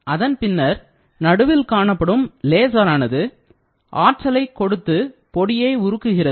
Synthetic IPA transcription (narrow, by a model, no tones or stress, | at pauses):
ɐðɐnpɪnːɐɾ | nɐɽɯʋɪlkaːɳɐpːɐɽɯmleːs̬ɐɾaːnɐðɯ | ʔaːɾ̚t͡ʃɐlɐɪkːɔɽɯt̪ːɯpɔɽɪjeːʊɾɯkːɯɣɪrɐ